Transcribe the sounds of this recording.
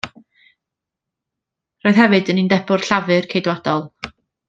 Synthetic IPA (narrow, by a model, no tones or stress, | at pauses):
roːɨð̥ɦɛvɨdənindɛbʊr̥ɬavɨrkʰejdwadɔlˠ